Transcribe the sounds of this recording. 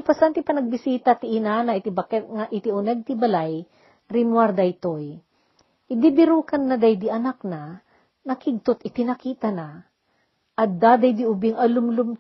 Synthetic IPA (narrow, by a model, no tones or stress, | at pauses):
pɐsant̪ɪpɐnɐɡ̚bɪsiːt̪ɐt̪ɪʔɪnanɐɪt̪ɪbɐkɛŋaʔɪt̪ɪʊnɛɡ̚t̪ɪbɐlaj | ɾɪmwaɾd̪ɐjt̪oj | ʔɪd̪ibɪɾuːkɐnːɐd̪ajd̪iʔɐnak̚na | nɐkɪɡ̚t̪ot̪ɪt̪ɪnɐkiːt̪ɐna | ʔɐt̪̚d̪aːd̪ajd̪iʊbɪŋʔɐlʊmlʊm